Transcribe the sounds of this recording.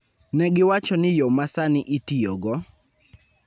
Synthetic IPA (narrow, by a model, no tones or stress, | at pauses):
nɛɡɪwat͡ʃɔnɪjɔmasanɪʔitijɔɡɔ